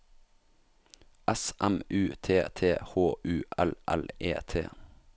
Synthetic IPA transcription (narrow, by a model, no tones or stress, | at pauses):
ʔɛsʔæmʉːt̪ʰeːt̪ʰeːhoːʔʉːʔælʔæ̰lḛːt̪ʰḛː